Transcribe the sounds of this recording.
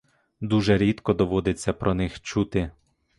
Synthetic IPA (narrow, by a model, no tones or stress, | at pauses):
d̪uʒɛɾʲit̪kɔd̪ɔʋɔd̪ɪt͡sʲːɐpɾɔnɪxt͡ʃut̪ɪ